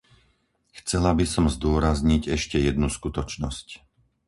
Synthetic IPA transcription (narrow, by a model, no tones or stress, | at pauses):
xt͡sɛlabisɔmzd̪ʊɔɾazɲiɟɛʃcɛjɛd̪nuskut̪ɔt͡ʃnɔsc